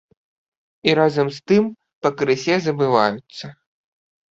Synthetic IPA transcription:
iɾazɐmst̪ɨm | pɐkɾɨsʲɛzɐbɨvajut̪sːɐ

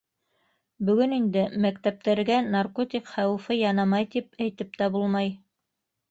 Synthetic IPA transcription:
bɵ̆ɡɵnind̪ɘmækt̪æp̚t̪æɾɡænarkot̪ʲikχæwɘ̆fɤjɑnɑmɑjt̪ipæjt̪ɘp̚t̪æbulˠmɑj

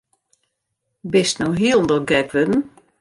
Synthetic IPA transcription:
bɪstnowɦiəlˠn̩dɔɡɛkʋødn̩

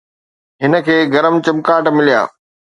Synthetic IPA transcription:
ɦɪnə̆kʰeːɡɐɾəmt͡ɕɐmkaːʈmɪlija̰ː

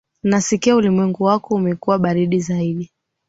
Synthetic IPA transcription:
nasikiaulimwɛŋɡuwakɔumɛkuwaɓaɾiɗizaiɗi

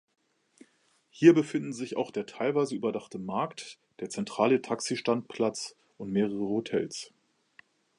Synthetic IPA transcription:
hiːɐbəfɪndn̩zɪça̰ʊxd̥eːɐtʰaɪlvaɪzəyːbɐdaχtəmaɐkt | d̥eːɐt͡sɛntʁ̥aːlətʰaksiʃtant̚pʰl̥at͡s | ʔʊntmeːʁəʁəhotʰɛls

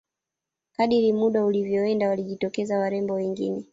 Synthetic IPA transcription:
kaɗiɾimuɗaulivjɔwɛndawaliʄitɔkɛzawaɾɛmbɔwɛŋɡḭnɛ

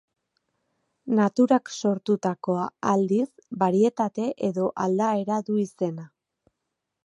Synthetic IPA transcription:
nat̪uɾakso̞ɾt̪ut̪ako̞aːld̪isbaɾie̞t̪at̪e̞ʔe̞ðo̞ʔald̪ae̞ɾaðuise̞na

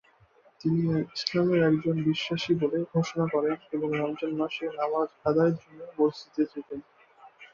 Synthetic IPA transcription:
t̪iniislameɾɛkd͡ʑonbiʃːaʃiboleɡʱoʃonakɔɾeneboŋɾamd͡ʑonmaʃenamazad̪aeɾd͡ʑonːoboɾt͡ɕit̪et͡ɕʰet̪en

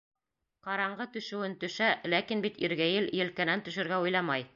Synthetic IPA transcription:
qɑɾɑɴɢɤt̪ɵ̆ʃɘ̆wɘnt̪ɵ̆ʃælækinbit̪iɾɡæjɘljɘ̆lkænænt̪ɵ̆ʃɘ̆ɾɡæujlˠɑmɑj

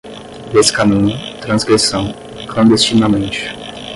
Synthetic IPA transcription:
d̪eskanĩnʊt̪ɾɐ̃zɡɾesɐ̃w̃ | klɐ̃nd̪est͡ʃinamẽnt͡ʃɪ̥

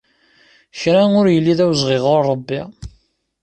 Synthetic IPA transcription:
çɾænʊɾjəlːiðæwzʁɪʁʊɾːˤəbːi

